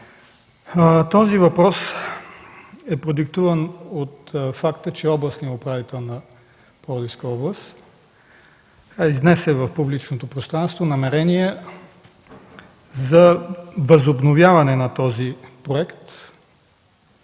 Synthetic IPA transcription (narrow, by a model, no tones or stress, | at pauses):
t̪ɔzivɐpɾɔs | ɛpɾod̪uk̚t̪uvɐnot̪fakt̪ət͡ʃɛɔblˠɐst̪niɛʊpɾavit̪ɛlˠnɐ | pɔd̪iskəɔblˠəst̪ | aiznɛsɛvɐfpublit͡ʃnot̪opɾost̪ɾanst̪vonɐmɛɾɛniɛ | zɐvɐzobnovjavɐnɛnɐt̪ɔzipɾoɛkt̪